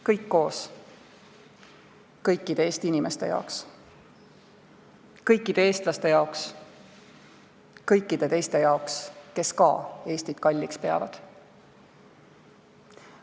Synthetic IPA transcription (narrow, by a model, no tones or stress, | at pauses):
kɤjkːo̞ːs | kɤjkːˑid̪̥e̞eːst̪iinime̞st̪e̞̰jɑ̰oks | kɤjkˑːid̪̥e̞e̞ːst̪lɑst̪e̞jɑoks | kɤjkːˑid̪̥e̞t̪e̞jst̪e̞jɑokske̞skɑ̰e̞ːst̪id̪̥kɑlʲːikspe̞ɑ̰vɑ̰d̪̥